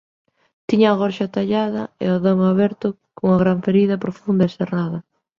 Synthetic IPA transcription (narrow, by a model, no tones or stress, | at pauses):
t̪iɲaːɣɔɾʃat̪aʎaðɐḛaðoŋaβɛɾt̪ʊ | koŋaɣɾaɱfeɾiðɐpɾofund̪ɐeseraðɐ